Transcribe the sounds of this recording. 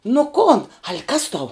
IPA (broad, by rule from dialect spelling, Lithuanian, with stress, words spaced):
nʊ ˈkoːn ɐlʲ kɐs tɐʊ